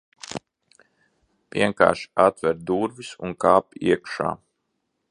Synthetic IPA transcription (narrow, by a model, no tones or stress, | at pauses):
viɛŋka̰ːɾʃat̪vɛɾd̪uːɾvisṵnkaːpḭɛkʃa̰ː